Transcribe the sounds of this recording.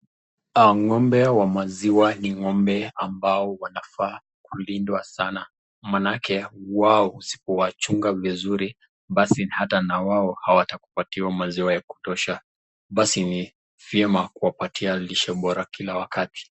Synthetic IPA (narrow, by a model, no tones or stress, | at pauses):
aŋɔmbɛwamaziwaniŋɔmbɛambaɔwanafa | kulindwasana | manakɛwaɔusi̥pɔwat͡ʃuŋɡavizuɾi | ɓasihatanawaɔhawataku̥patiwamaziwajaku̥tɔʃa | ɓasini | viɛmakuwapatʰialiʃɛɓɔɾakilawakati̥